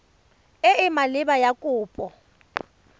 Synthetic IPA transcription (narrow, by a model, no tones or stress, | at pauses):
ɪɪmalɪbajakʼʊːpʼɔ